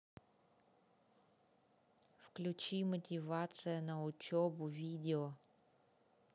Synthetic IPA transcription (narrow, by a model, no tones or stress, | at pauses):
wklʲʊt͡ʃimɔtʲiʋɑsɨjɐnɐʊtʲɔbʊʋʲidʲeɔ